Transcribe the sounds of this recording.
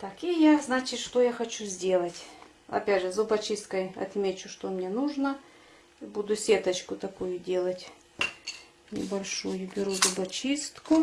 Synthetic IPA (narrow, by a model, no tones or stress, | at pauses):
t̪akijaznat͡ɕɪt̪ʂt̪ojaxɐt͡ɕuzʲdʲe̞lˠətʲ | ɐ̰pʲædʲʐɨzʊbɐt͡ɕist̪̚kəjɐ̰t̪mʲet͡ɕʊʂt̪omnʲenuʐnə | bud̪ʊsʲet̪ɐt͡ɕkʊt̪ɐkujʊdʲe̞lˠətʲ | nʲɪ̰bɐlʲʂujʊbʲɪɾuzʊbɐt͡ɕist̪kʊ